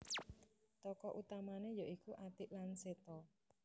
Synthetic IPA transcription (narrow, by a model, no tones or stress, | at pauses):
t̪ɔkɔʔut̪amanejaʔikuʔat̪ɪʔlanset̪ɔ